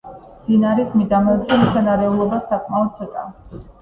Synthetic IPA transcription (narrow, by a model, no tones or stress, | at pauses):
md̪̥inaɾismid̪amɛd̪zɛmisanaɾɛulˠɔbasakʼmaɔd̪̚sʰɛt̪ʼa̰